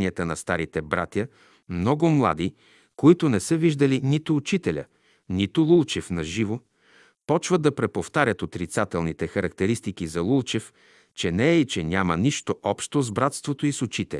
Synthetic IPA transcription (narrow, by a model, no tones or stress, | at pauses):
niət̪ənɐst̪aɾit̪ɛbɾa̰t̪ʲjə | mnɔɡʊmlˠa̰d̪i | koit̪ʊnɛsəviʒd̪əlinit̪ʊːt͡ʃit̪ɛlʲə̰ | nit̪ʊlˠulˠt͡ʃɛfnɐʒivo | pɔt͡ʃvəd̪ɐpɾɛpoft̪aɾʲjət̪ot̪ɾit̪sat̪ɛlˠnit̪ɛxɐɾɐkt̪ɛɾist̪ikizɐlˠulˠt͡ʃɛf | t͡ʃɛnɛːit͡ʃɛnʲaməniʃt̪oʔɔpʃt̪ozbɾat̪st̪vot̪oisʊt͡ʃit̪ɛ̰lʲ